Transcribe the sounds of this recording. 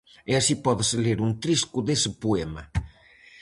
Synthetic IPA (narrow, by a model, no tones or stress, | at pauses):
ɪasipɔðɪsɪleɾunt̪ɾiskʊðesɪpuemɐ